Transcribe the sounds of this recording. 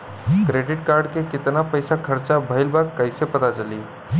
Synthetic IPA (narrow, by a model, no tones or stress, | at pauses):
kɾeɖiʈkaɾɖkeket̪napəjsakʰəɾt͡ʃabʱəɪlbakːəɪsepət̪at͡ʃəli